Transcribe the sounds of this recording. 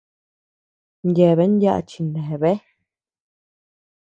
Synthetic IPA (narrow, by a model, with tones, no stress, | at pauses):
ndʲɛ˨βɛ˦n˦dja̰˦˧ʔt͡ʃi˨nɛ̃˨βɛ˦